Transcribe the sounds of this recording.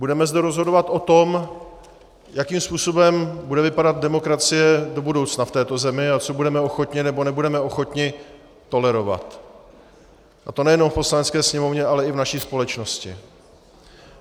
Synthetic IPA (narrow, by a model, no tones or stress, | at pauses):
budɛmɛzdɛɾozɦo̞do̞vat̪ʔo̞t̪o̞m | jakiːmspuːso̞bɛmbudɛvɪpadad̪̚dɛmo̞kɾat͡sɪjɛdo̞budo̞wt͡snaft̪ɛːt̪o̞zɛmɪat͡so̞budɛmɛo̞xo̞t̪ɲɪnɛbo̞nɛbudɛmɛo̞xo̞t̪ɲɪ | t̪o̞lɛɾo̞va̰t̪ | ʔat̪o̞nɛjɛno̞mfpo̞slanɛt͡skɛːsɲɛmo̞vɲɛʔalɛɪvnaʃiːspo̞lɛt͡ʃno̞scɪ̰